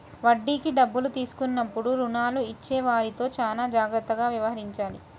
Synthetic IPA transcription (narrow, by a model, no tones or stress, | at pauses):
ʋɐɖːiːkiɖɐbːulut̪iːsu̥kunːɐpːuɽuɾunaːluit͡ʃːeːʋaːɾit̪o̞ːt͡ʃaːlaːd͡ʒaːɡɾɐt̪ːɐɡaːʋjɐʋɐɦɐɾiɲt͡ʃaːlḭ